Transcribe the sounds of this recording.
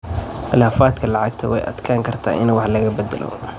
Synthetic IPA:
χɪlaːfaːt̪kʰɐlɑʕɑɡt̪ʰɐwɛ̰jʔɐ̰d̪kʰaːŋkʰɐrt̪ʰa̰ːʔɪnwɑħlɐɣɐbɐd̪ɐ̰lʔɔ̰

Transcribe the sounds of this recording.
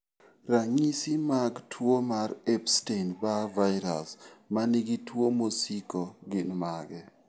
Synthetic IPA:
raŋisimaɡtʰwomaɾɛpstenbavajɾa̰smaniɡitwomosikoɡɪnmaɡɛ

